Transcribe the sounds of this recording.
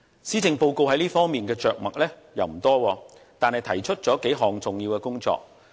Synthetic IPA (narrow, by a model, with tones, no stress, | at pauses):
siː˨˥t͡sɪ˨ŋpo˧wko˧wɦɐ˨˥jliː˥fɔː˥ŋmiː˨nkɛː˧t͡ʃœː˨k̚mɐ˨k̚lɛː˥ | jɐ˨wm̩˨˩t̪ɔː˥wɔː˧ | t̪aː˨nhɐ˨jt̪ʰɐ˨˩jt͡ʃʰɵ˥t̚t͡sɔː˨˥ke˨˥jɦɔː˨ŋt͡sʊ˨ŋjiː˧wkɛː˧kʊ˥ŋt͡ʃɔ̰ː˧k̚